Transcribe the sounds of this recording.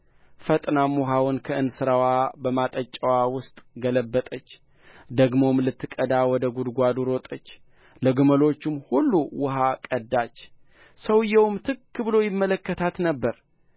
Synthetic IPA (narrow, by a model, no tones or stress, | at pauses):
fət̪ʼnamuɦawʊnkʰəʔɨnsɨɾawabəmat̪ʼət͡ʃʼːəwawʊst̪ʼɡələbːət̪ʼət͡ʃː | d̪əɡmo̞mlɨt̪ːɨkʼəd̪awɔd̪əɡud̪ɡʷad̪uɾwɔt̪ʼət͡ʃː | ləɡuməlo̞t͡ʃːɪmhulːuwʊɦakʼəd̪ːat͡ʃː | səwɨjːɛwmt̪ʰɨkːɨbɨlojɪmːələkːət̪ʰat̪nəbːəɾ